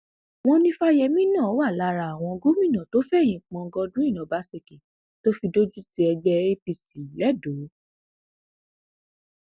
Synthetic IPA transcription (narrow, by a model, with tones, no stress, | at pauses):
w̃ɔ̃˧nĩ˧fa˦jɛ˧mĩ˦nã˦˨˦wa˦˨la˨˧˨ɾa˧˨a˨w̃ɔ̃˧ɡo˦mĩ˦˨nã˨to˦fɛ˦˨j̃ĩ˧˨k͡pɔ̃˧ɡɔ˧dũ˦i˦˨nã˨ba˦se˧ki˨ | to˦fi˧do˦d͡ʒu˦ti˧ɛ˧ɡ͡bɛ˧e˦pi˧si˨lɛ˨˦do˨˦